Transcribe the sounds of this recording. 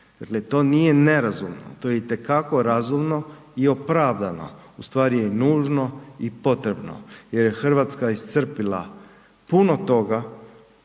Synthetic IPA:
d̪̥akle̞t̪o̞ːnije̞ne̞ɾazumno̰t̪oːjeit̪e̞kako̞ɾazumno̞ | iopɾaʋd̪ano̞̰ust̪ʋaːɾijenuːʒno̞ipo̞t̪ɾebno̰je̞ɾjexr̩ʋat̪skaist̪sr̩pilˠa̰ | puno̞t̪o̞ɡa

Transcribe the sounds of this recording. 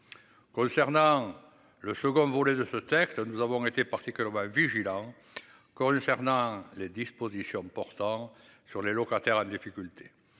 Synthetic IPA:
kɔ̃sɛʁnɑ̃ | ləsəɡɔ̃voled̪əsət̪ɛkst̪ənuzavɔ̃ŋet̪epaʁt̪ikylɛʁmɑ̃viʒilɑ̃ | kɔ̃sɛʁnɑ̃led̪ispozisjɔ̃pɔʁt̪ɑ̃ | syʁlelɔkat̪ɛʁɑ̃d̪ifikylt̪ʰe̥

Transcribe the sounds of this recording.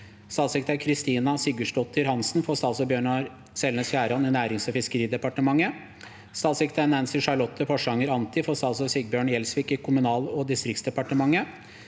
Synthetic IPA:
st̪ɑːsɪk̚t̪æɾkʰɾɪst̪iːnɑsɪɡəʂʈɔt̪ʰːəɾhɑnsnfɔst̪ɑlsɔbjøːɳɑɾ | sɛlnəsfjæːɾhɑnɪnæːɾɪŋsɔfɪskəɾiːd̪ɛpɑʈəmɑŋːə | st̪ɑːsɪkt̪ænɛnsɪʂɑɭɔt̪ʰːəfɔʂəɑŋəɾɑnt̪ɪfɔst̪ɑːsɔsɪɡ̚bjøːɳjɛlsʋiːkɪkʰʊmʉnɑːlɔd̪ɪst̪ɾɪktsd̪ɛpɑʈəmɑŋːə

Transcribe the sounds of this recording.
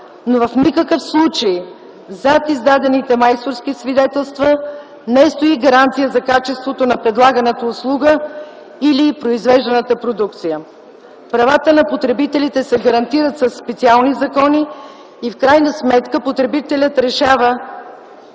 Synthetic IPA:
novɐfnikəkəfslˠut͡ʃəj | zat̪izd̪ad̪ɛnit̪ɛmajst̪oɾskisvid̪ɛt̪ɛlˠst̪və | nɛst̪oiɡɐɾant̪sijəzɐkat͡ʃɛst̪vot̪onɐpɾɛd̪lˠaɡənət̪əʊslˠuɡə | ilipɾoizvɛʒd̪ɛnət̪əpɾod̪uk̚t̪sijə | pɾɐvat̪ənɐpot̪ɾɛbit̪ɛlit̪ɛsɛɡɐɾɐnt̪iɾət̪sɐsːpɛt̪sialˠnizɐkɔniː | fkɾajnəsmɛt̪kəpot̪ɾɛbit̪ɛlʲət̪ɾɛʃavə

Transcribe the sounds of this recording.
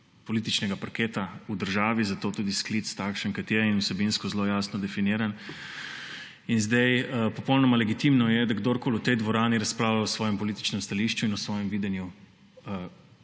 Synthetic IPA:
pɔliːt̪it͡ʃnɛɡapɐɾkeːt̪aud̪əɾʒaːʋizat̪oːt̪uːd̪isklit̪st̪akʃənkɐt̪jɛinusɛbinskɔzloːjaːsnɔd̪ɛfiniːɾan | inzd̪ajpɔpɔwnɔmalɛɡit̪imnɔjɛd̪aɡd̪oɾkoːlut̪ɛjd̪ʋɔɾaːniɾɐsplaːwlawsʋɔːjɛmpɔlit̪i̥t͡ʃnɛmst̪aliʃt͡ʃuinusʋɔːjɛmʋiːd̪ɛnju | ə

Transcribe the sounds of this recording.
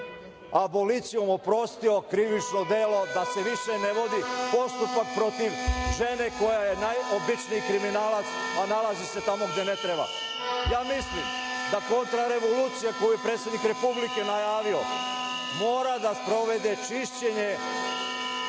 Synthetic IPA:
abo̞lit̪sijo̞mopɾo̞st̪io̞kɾiʋit͡ʃnod̪e̞lo̞d̪ase̞ʋiʃe̞ne̞ʋo̞d̪ipo̞st̪upak̚pɾo̞t̪iʋʒe̞ne̞ko̞jaje̞najʔobit͡ʃniikɾiminaːlat̪sanalazise̞t̪amo̞ɡd̪e̞net̪ɾeba̰ | jaːmislim | d̪ako̞nt̪ɾaɾe̞ʋoluːt̪sijako̞juje̞pɾet̪sjed̪nikɾe̞publike̞najaːʋio̞ | moːɾad̪aspɾo̞ʋe̞d̪e̞t͡ʃiʃt͡ɕe̞ɲe̞

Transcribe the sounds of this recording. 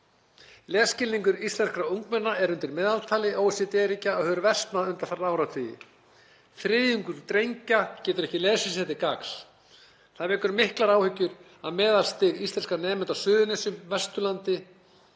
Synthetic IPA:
lɛːscɪlniŋkʏɾist̪lɛnskɾauŋkmɛnːaɛɾʏnt̪ɪɾmɛːðalt̪ʰaːlɪʔoːwsit̪ɛːɾicaːhœːɾvɛst̪naðʏnt̪aθaraːwɾat̪ʰvijɪ̰ | fɾɪðjʏŋkʏɾt̪ɾejɲcacɛːt̪ʏɾɛhcɪlɛːsʏsɛt̪ɪkakl̥ | θaðvɛːkʏɾmɪhklaɾaːwhʏcːʏɾ | aðmɛːðalst̪ɪɣist̪ɛnskanɛːmɛnt̪awsʏːðʏnɛsʏmvɛst̪ʏlant̪ɪ

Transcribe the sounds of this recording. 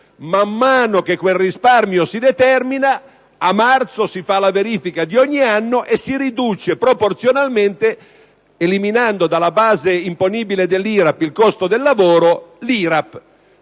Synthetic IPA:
mamːaːnokekːwelrisparmjosid̪et̪ɛrminaː | mart̪sosifalaveɾiːfikad̪iɔɲːianːoʔesːiɾid̪uːt͡ʃepɾoport̪sjonalment̪e | eliminand̪od̪alabaːzeimponiːbiled̪elːiːɾapilkɔst̪od̪elːavoːɾoliːɾap

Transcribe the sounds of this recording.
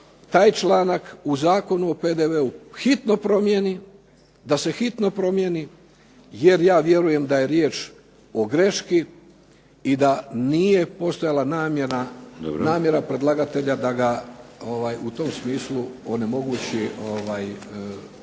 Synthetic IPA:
t̪aːjt͡ʃlˠaːnakuzaːko̞nuo̞peːd̪e̞ʋe̞uxit̪no̞pɾo̞mjeni | d̪ase̞xit̪no̞pɾo̞mjeni | je̞ɾjaːʋje̞ɾuje̞md̪aje̞ɾjeːt͡ʃ | o̞ɡɾe̞ʃki | id̪anije̞po̞st̪o̞jalˠanaːmjeɾa̰naːmje̞ɾapɾe̞d̪lˠaɡat̪e̞ʎad̪aɡaoʋajut̪o̞msmiːslˠuo̞ne̞mo̞ɡuːt͡ɕioʋaj

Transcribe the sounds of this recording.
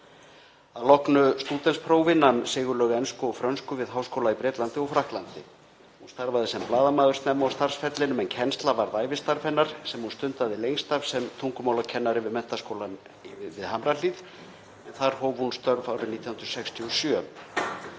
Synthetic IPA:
alɔhknʏst̪uːt̪ɛnspʰɾowvɪnːamsɪːɣʏlœːɣɛnskʏɔɣfɾœnskʏvɪðɦaːwskowlaipɾɛːt̪lant̪ɪɔɣfɾahk̪lant̪ɪ | hunst̪aɾvaðɪsɛmplaːðamaːðʏɾ̥t̪nɛmːɔwst̪aɾ̥sfɛt̪lɪnʏmɛncʰɛnst̪lavaɾðaːjvɪst̪aɾfɛnːaɾ̥sɛmhunst̪ʏnt̪aðɪlejŋst̪av̥sɛmt̪ʰuŋkʏmaːwlacʰɛnːaɾɪvɪðmɛn̥t̪askowlan | vɪðhamɾaliːð | ɛnθaɾ̥hoːwvhunst̪œɾvawɾʏniːt̪jahnɾʏ̥sɛkst̪ʰiɔsjœ

